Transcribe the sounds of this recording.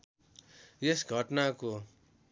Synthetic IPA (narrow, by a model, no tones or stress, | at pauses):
jesɡʱʌʈnako